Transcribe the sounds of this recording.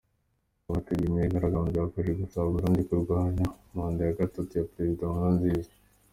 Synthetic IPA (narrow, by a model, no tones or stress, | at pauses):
aβatuɡimiɾiɡaɾaɡaːmzaafaʒeɡusaβuɾuːndikuɾɡwaːnamaːndajaɡatotujapeɾezidõŋanziːze̥